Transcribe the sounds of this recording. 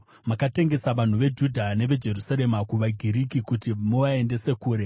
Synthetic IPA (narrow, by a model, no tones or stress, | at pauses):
makate̞ŋɡe̞saʋan̤uʋe̞d͡ʒudʱane̞ʋe̞d͡ʒe̞rusaɾe̞makuʋaɡʱiɾikikutimoʋaende̞se̞kuːɾe̞